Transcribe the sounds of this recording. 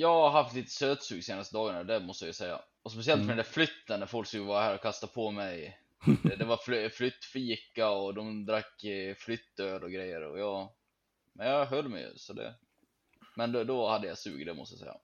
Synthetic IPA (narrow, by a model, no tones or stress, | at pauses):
jɑːɡɦaft̪liːt̪ə̥søːt̪sʉːɡseːnast̪əd̪ɑːɡaɳad̪ɛmɔst̪əjajʉsɛjːa̰ | ɔspɛs̬ɪɛlt̪fœɾɛnd̪æflʏt̪ːənæɾfɔlksʉːɡvaɾaɦæːɾɔkʰast̪apʰɔmɛj | ɛd̪ɛvafflʏt̪ːfiːkaɔd̪ɔmd̪ɾakːflʏt̪ːøːɾɔɡɾɛjːə̰ɾɔ̰jɑː | mɛnjɑɦœlːmɛ̰jɵ̰sɔd̪ɛ̰ | mɛnd̪d̪ɔhad̪ːəjɑ̰sʉ̰ːɡd̪ɛmɔst̪əja̰sɛ̰jːa̰